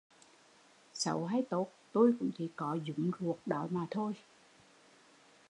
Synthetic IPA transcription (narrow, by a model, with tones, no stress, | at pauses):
sə̰˨˦wɦaː˧jt̪o˨˦˥t̚t̪u˧jkʊ̰˧˥ŋ͡mt͡ɕḭ˧˥kɔ˨˦zʊ˨˦ŋ͡mzu˨˩ək̚ɗɔ˨˦maː˨˩t̪ʰo˧j